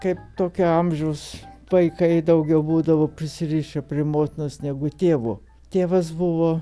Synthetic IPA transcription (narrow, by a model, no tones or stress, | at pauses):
kɐɪpt̪oːkʲʊɐmʲʒʲɛʊs | ʋɐɪkɐɪd̪ɐʊɡʲɛʊbuːd̪ɐʋoːpʲɾʲɪsʲɪrʲiːʃʲɛpʲɾʲɪmoːt̪ʲɪnosnʲɛɡʊt̪ʲeːʋu | t̪ʲeːʋɐs̬bʊʋoː